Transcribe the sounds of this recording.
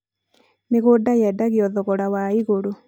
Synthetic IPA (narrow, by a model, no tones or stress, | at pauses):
neɣodajɛdaɣeɔðɔɣɔɾawaiɣoɾo